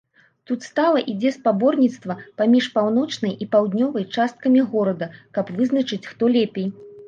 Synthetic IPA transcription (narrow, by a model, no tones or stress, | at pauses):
t̪ut̪st̪alˠɐʔid͡zʲɛspabɔrnʲit̪st̪vɐpamʲiʂpawnɔt͡ʂnɐjʔipawd̪nʲɔvɐjt͡ʂast̪̚kɐmʲiɣɔɾɐd̪ɐkɐpvɨznɐt͡ʂɨt͡sʲxt̪ɔlʲepʲej